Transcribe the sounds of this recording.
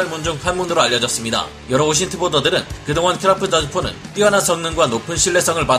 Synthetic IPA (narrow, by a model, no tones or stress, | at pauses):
aɭmund͡ʑuŋɸanmunɯɾoaʎːjːʌd͡ʑʌs͈ɯmɲida̰ | jʌɾʌoɕ̬ʰintʰɯbodʌdɯɾɯnkɯdoŋɦankʰɯɾapʰɯd͡ʑʌd͡ʑɯpʰonɯ̰np͈iʌnans͈ʰʌŋnɯŋɡwanopʰɯnɕʰiɭːe̞s͈ʌŋɯɭpa